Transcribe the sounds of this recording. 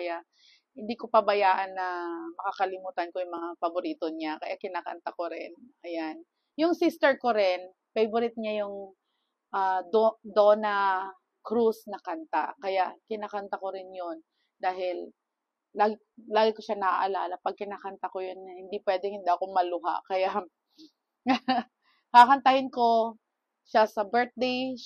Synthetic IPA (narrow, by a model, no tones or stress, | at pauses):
kɐjaʔ | hɪnd̪ikopɐbɐjaːʔɐnːɐmɐkakɐlɪmuːt̪ɐnkojʊŋmɐŋafɐboɾiːt̪oɲakɐ̰jaʔkɪnaːkɐ̰nt̪ɐkoɾɪnʔɐjan | jʊŋsist̪ɛɹkoɾɪn | pejbʊɾɪt̪̚ɲajʊŋ | ʔad̪onɐ | kɾusnɐkɐnt̪a̰kɐjaʔkɪnaːkɐnt̪ɐkoɾɪnjon | d̪aːɦɪlː | aːɡɪ | laːɡɪkoʃanɐʔa̰ʔɐlaːlɐpɐɡ̚kɪnaːkɐnt̪ɐkojonːɐhɪnd̪ipwɛːd̪ɛŋhɪnd̪iʔɐkomɐlʊɦa̰ʔkɐjaʔ | hakɐnt̪ɐhɪnko̞ | ʃasɐbɛɹt̪̚d̪ej